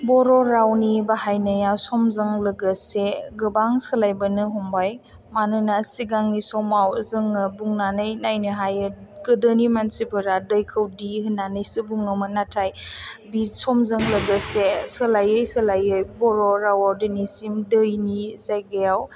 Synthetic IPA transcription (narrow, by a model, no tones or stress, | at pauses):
bɔɾɔɾawnibahajnəjasɔmzɐŋlɐɡəseɡɯbaŋsəlajbɯnɯɦɔmbaj | manɯnasiɡaŋnisɔmawzɯŋɯbuŋnanɯjnajniɦajɯɡɯdənimansipʰɯɾadəjkʰɯwdiɦɯnːanɯjsɯbuŋɯmɯnatʰajbisɔmzɯŋlɐɡəsesəlajɯjsɐlajɯjbɔɾɔɾawɔɾdinisimdəjnizajɡɯjaw